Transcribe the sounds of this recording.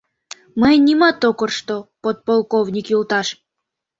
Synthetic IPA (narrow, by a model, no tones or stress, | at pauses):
məjnʲimɑt̪okərʃt̪opot̪̚polˠkovnʲikjulˠt̪ɑʃ